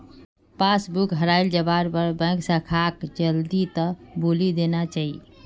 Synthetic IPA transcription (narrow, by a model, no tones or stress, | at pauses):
pasbukɦəɾaɪld͡ʒəbaɾpəɾbɛ̃ŋksãkʰakd͡ʒəld̪it̪əbulid̪enat͡ʃaɦi